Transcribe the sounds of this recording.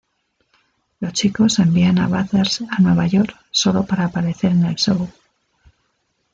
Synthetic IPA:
lo̞st͡ʃiko̞se̞mbiana̰βaθeɾsanwe̞β̞aʝo̞ɾk | so̞lo̞paɾaːpaɾe̞θe̞ɾene̞lsow

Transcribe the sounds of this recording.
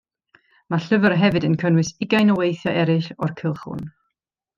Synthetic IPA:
maɬəvərɦɛvɨdənkʰənwɨsɪɡajnɔwejθjaʔɛɾɪɬɔrkʰɪlˠχʊ̰n

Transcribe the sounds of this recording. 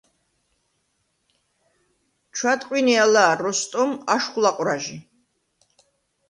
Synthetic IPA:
t͡ʃʰwat̪ʼqʼwinialaːɾɔst̪ʼɔmaʃχlaqʼɾaʒi

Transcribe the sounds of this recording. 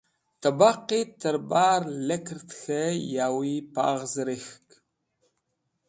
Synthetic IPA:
t̪ʰɐbaqitʰɐɾbaːrlɐkʰɨrt̪ʰxɐjaːwipa̰ːʁzɨɾɨxk

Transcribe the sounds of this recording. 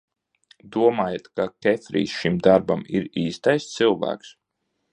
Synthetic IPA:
d̪uɔmaːjat̪kakʲɛfʲɾḭːsʃimd̪aɾbamiɾiːst̪ajst̪sɨlˠvæ̰ːks

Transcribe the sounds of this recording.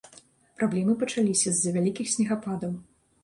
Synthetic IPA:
pɾablʲɛmɨpɐt͡ʂalʲisʲɐzʲːɐvʲalʲikʲixsʲnʲɛɣapad̪ɐm

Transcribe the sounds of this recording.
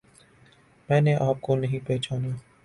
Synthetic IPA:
mɛ̃ːneʔaːp̚konɐɦĩpeːt͡ʃaːnaː

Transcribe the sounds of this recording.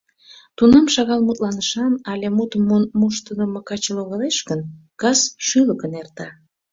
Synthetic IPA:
t̪unɑmʃɑɣɑlmut̪lɑnəʃɑnɑlʲemut̪əmːonmuʃt̪ənəmokɑt͡ɕəloɣəleʃɣənkɑsʃyləkənert̪ɑ

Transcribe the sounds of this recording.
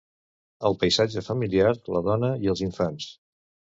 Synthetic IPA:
əlˠpəjzad͡ʒəfəmiliaɾləðɔnəiəlˠziɱfans

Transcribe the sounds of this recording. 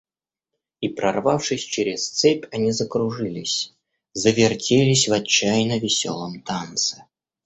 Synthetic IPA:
ipɾʔɐrvafʂɨsʲt͡ɕeɾʲɪst̪sɛpʲɐnʲizəkɾʊʐɨlʲɪsʲ | zəvʲɪrtʲelʲɪsʲvɐt͡ɕːajnəvʲɪsʲo̰lˠəmt̪ant̪sɨ̥

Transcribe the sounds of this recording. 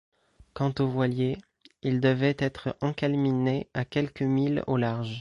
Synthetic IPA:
kɑ̃t̪ovwalje | ild̪əvɛt̪ɛt̪χɑ̃kalmineakʲɛlkəmilo̰laʁʒ

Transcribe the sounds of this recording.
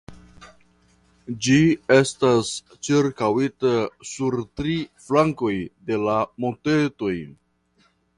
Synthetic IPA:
d͡ʒie̞stas | t͡ʃiɾkawitasuɾtɾiflaŋko̞jde̞lamonte̞to̞j

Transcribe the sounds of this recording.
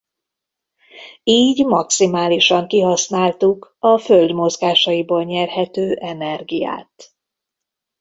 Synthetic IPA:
iːɟmɒksimaːliʃɒŋkiɦɒsnaːlt̪ukɒføld̪mo̞zɡaːʃɒjiboːlɲɛrhɛt̪øːʔɛnɛrɡija̰ːt̪

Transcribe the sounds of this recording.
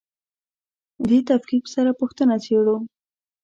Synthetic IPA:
d̪et̪afkiksaɾapʊxt̪ənat͡seɽu

